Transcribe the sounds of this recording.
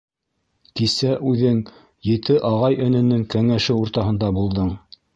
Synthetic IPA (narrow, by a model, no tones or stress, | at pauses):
kisæʔʉðɘŋ | jɘ̆t̪ɘʔɑʁɑjɘ̆nɘ̆nːɘŋkæŋæʃɘuɾt̪ɑɦɤ̆nd̪ɑbulˠd̪ɤɴ